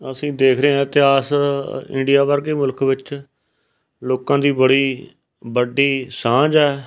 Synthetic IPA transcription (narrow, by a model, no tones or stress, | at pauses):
əsĩːd̪eːkʰɾeãːt̪ɪaːsɪ̰̃ɳɖɪjaːbəɾɡeːmʊlkʋɪt͡ʃ | loːkãːd̪iːbəɽiː | bəɖiːsãːd͡ʒɛː